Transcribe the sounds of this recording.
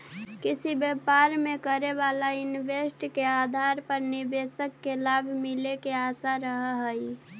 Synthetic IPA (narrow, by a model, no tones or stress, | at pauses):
kisibepaɾmekəɾeβalainʋesʈkead̪ʱaɾpəɾniɾbesəkːelabʱmilekeasaɾəɦɦəj